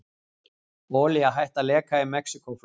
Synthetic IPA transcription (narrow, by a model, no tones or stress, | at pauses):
oːlɪaɦajht̪alɛːkaɪmɛksikowf